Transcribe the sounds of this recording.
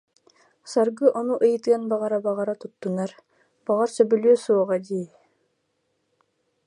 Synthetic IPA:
sɑɾɡɯʔɔnuʔɯjɯt̪ɯanbɑʁɑɾabɑʁɑɾat̪ut̪ːunɑɾ | b̥ɑʁɑɾsœbylʲøːsuɔʁɑd̪i

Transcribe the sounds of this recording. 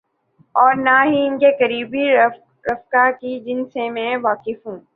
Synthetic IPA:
ɔːɾnaɦiɪnkekɐɾiːbʱi | ɾɐfkakid͡ʒɪnsẽmɛ̃ːʋaːkɪfɦũː

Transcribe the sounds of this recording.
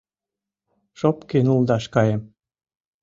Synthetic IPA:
ʃopkenuld̪ɑʃkɑjem

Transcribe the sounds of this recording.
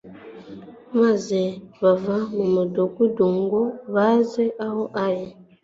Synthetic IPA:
mazeβavamomodokuduŋɡɔβazɛʔaɦɔʔaje

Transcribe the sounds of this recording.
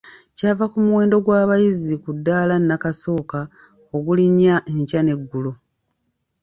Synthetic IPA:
caːvakumuwe̞ːndo̞ɡwaːβajizikudːaːlanːakaso̞ːka | oɡuliɲːaʔeɲcane̞ɡːulo

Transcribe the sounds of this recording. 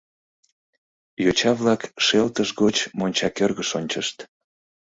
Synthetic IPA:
jot͡ɕɑβlɑkʃelt̪əʃɣot͡ɕmonʲt͡ɕɑkørɣəʃonʲt͡ɕəʃt̪

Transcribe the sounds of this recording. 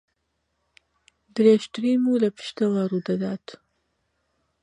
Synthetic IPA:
d̪ɾeʃt̪ɨɾiːmuːlɐpʰɨ̥ʃt̪ɐwaːrud̪ɐd̪aːt̪

